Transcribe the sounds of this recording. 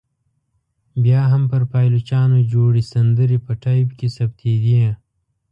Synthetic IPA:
bjaːɦɐmpɐɾpaːjlut͡ʃaːnod͡ʒoːɽisɐnd̪əɾipɐʈajbkesɐb̚t̪ʰeːd̪iẽ

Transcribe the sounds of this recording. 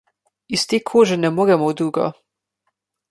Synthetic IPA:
ist̪eːkʰoːʒɛnɛmoːɾɛmɔwd̪uːɡɔ̰

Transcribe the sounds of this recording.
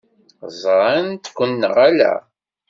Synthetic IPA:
zˤɾˤant̪kʷːənːə̰ʁælæ̰

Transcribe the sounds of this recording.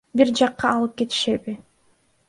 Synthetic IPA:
biɾd͡ʒɑqːɑːlˠɯp̚ke̞t̪i̥ʃe̞bi

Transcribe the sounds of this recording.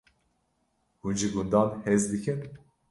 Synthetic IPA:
hund͡ʒiɡund̪ɑːnhɛzd̪ɨkʰɨn

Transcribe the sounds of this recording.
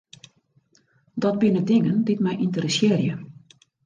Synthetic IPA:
dɔt̚bɪnədɪŋəndɪtmɛjʔintərəsɪːərjə

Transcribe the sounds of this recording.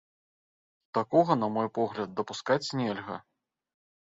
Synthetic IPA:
t̪akɔɣɐnɐmɔjpɔɣlʲɐd̪̚ːɐpuskat͡sʲnʲɛlʲɣɐ̰

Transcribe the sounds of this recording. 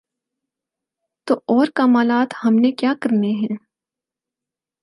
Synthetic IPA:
t̪oːʔɔːɾkaːmaːlaːt̪hɐmnekjaːkɐɾneɦɛ̃ː

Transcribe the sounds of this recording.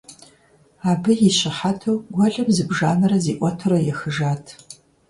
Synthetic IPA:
aːbɨjiɕɪħatʰɐwɡʷɔɮɐmzɨbʒaːnɐrɐziːʔʷɔtʰɐɾɐjɛxɨʒaːtʰ

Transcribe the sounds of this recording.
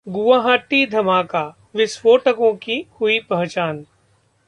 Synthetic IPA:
ɡʊʋaːɦaːʈid̪ʱɐmaːka | ʋɪswoːʈəkõkihʊipɐɦt͡ʃaːn

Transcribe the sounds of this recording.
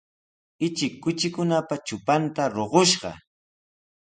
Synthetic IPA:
ɪt͡ʃɪkːʊt͡ʃɪkʊnapat͡ʃʊpant̪aɾoɢoʃɢɑ̰

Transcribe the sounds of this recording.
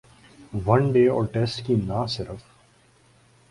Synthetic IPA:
ʋɐ̃nɖeːɔ̰ːʈɛsʈkinaːsɪɾəf

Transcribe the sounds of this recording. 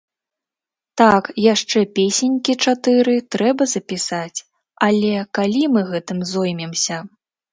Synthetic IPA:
t̪akjaʂt͡ʂɛpʲesʲenʲkʲit͡ʂat̪ɨɾɨt̪ɾɛbɐzɐpʲisat͡sʲ | alʲɛkalʲimɨɣɛt̪ɨmzɔjmʲɛmsʲɐ

